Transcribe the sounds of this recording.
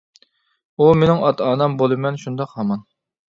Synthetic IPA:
umenɪŋɑt̪ɑːnɑmbolˠɨmɛnʃund̪ɑqhɑmɑn

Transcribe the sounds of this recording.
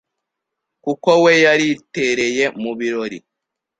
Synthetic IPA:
kukowejaɾiteɾeje̞muβiɾo̞ɾḭ

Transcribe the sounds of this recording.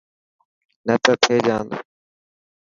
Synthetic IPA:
nət̪ət̪ʰeːd͡ʒaːn

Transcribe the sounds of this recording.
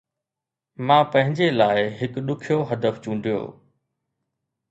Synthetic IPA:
mãːpɐ̃ɦɪ̃ɲd͡ʑelaːɪɦɪkɗʊkʰijoɦɐd̪əft͡ɕũːɳɖijo̰ː

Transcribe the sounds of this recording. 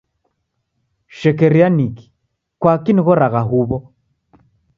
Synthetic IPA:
ʃɛkɛɾianiki̥ | kwakiniɣɔɾaɣaɦuβɔ

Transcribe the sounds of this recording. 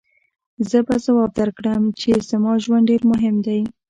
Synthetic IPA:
zəbazawɑb̚d̪əɾkɽəmt͡ʃez̥əmɑʒwandɖeɾmʊɦɪmd̪aj

